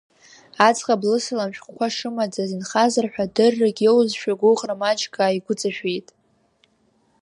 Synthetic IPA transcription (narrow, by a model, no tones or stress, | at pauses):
at͡sʼqʼablɨsɨlamʃᶣχʷkʷʰaʂɨmad͡zazɨnχazarħʷᶣadɨrːaɡʲewzʃᶣaɡʷʊχʼramat͡ʃʰʼkʼaːiɡʷʊt͡sʼaʃᶣejtʼ